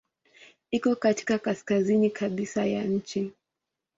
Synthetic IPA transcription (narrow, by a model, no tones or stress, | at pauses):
ikɔkati̥kakaskazinikʰaɓisaja̰ɲ̩t͡ʃi